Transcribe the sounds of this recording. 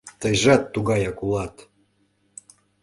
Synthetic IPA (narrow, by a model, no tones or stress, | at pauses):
t̪əjʒɑt̪ːuɣɑjɑkulɑt̪